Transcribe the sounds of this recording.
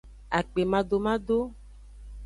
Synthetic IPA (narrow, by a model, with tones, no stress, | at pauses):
a˨k͡pe˨mã˨do˨mã˦do˦